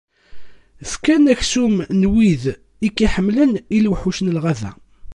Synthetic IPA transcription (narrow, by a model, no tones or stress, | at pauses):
θkænæçsumnwið | ikːiħəmːləniluħuʃənəlʁæðæ̰